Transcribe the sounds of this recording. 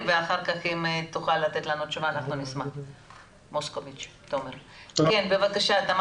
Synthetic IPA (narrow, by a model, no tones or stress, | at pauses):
veaχaʁkaχimt̪uχalːat̪e̞t̪lanut͡ʃuvaːnaχnunismaχ | moskovit͡ʃ | t̪aomeʁkenbe̞vakaʃat̪am